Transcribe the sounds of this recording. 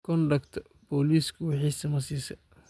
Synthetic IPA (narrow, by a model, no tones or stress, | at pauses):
kʰɔndɐkt̪ʰ | bɔːliːskʰʊwɑħiːsɐmɐsiːsɐ